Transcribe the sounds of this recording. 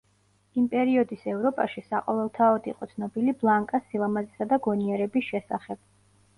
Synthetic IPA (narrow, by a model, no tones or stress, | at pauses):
impʼɛɾiɔd̪isɛvɾɔpʼaʃisaqʼɔvɛlˠt̪ʰaɔd̪ḭqʼɔ̰t̪sʰnɔbiliblˠaŋkʼasilˠamazisad̪aɡɔniɛɾɛbisʃɛsaχɛb̥̚